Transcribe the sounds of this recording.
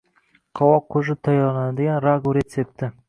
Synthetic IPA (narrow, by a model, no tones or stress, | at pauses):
qʰɒwɒqʰːɵʒɪt̪ʰajɑnanad̪ɪɡʲanɾaɡuɾet̪sep̚t̪ɪ